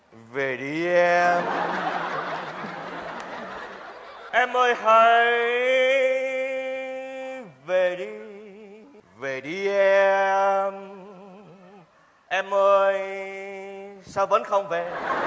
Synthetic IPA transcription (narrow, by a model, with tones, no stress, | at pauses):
ve˨˩ɗi˨˧˨ʔɛ˧m | ʔɛ˧mʔəː˧jhə˧˩jj | ve˨˩ɗi˧ | ve˨˩ɗi˨˧˦ʔɛ˧m | ʔɛ˧mʔəː˧j | saː˧wɓə˨˦nxə˧wŋ͡mve˨˩